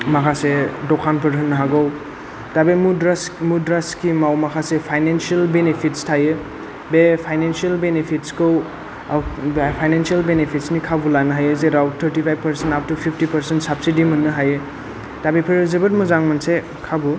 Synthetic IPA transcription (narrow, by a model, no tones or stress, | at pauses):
makʰasedokʰanpʰɐɾɦɯnːɦaɡow | tabemuɾasmudɾaskimawmakʰasepʰajnensiɐlbenepʰitstʰajɯ | bepʰajnensiɐlbenepʰitskow | bpʰajnensialbenepʰit̚snikʰabulanɐɦajɯzeɾawtʰːɐɾtipʰajb̚pɐɾsentap̚tupʰipʰtipɐɾsentsapsidimunːɯɦajɯ | tabepʰɐɾɯzɐbɐt̚muzaŋmanse | kʰabu